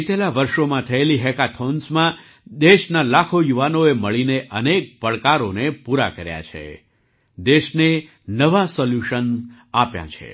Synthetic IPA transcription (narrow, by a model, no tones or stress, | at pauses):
t̪elaʋəɾʃomãt̪ʰəeliɦɛkat̪ʰonsmã | d̪eʃnalakʰojuʋanoeməɭineʔənek̚pəɭkaɾonepuɾa̰kəɾja̰t͡ʃʰḛ | d̪eʃne | nəʋasɔljuʃən | apjã̰t͡ʃʰḛ